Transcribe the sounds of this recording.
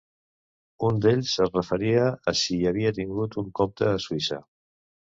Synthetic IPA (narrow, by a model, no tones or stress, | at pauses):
und̪eʎʲsərəfəɾiəːsiəβ̞iət̪iŋɡut̪uŋkɔp̚t̪əːsuisə̰